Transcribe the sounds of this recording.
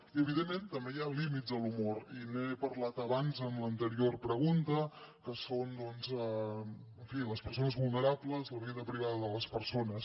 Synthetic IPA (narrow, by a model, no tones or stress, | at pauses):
iəβiðemːent̪əmbejalimit̪zd̪əlumoɾinepəɾlat̪əβanzəmlənt̪əɾiorpɾəɣ̞unt̪əkəsond̪ɔnzɛ | əɱfiləspəɾsonəzβulˠnəɾabləzləβiðəpɾiβaðəðələspəɾsonəs